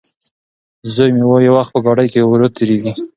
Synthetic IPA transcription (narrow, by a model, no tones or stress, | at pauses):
zəjmewojawaxt̪̚pəɡɑɽəjkewɾət̪eɾeɡi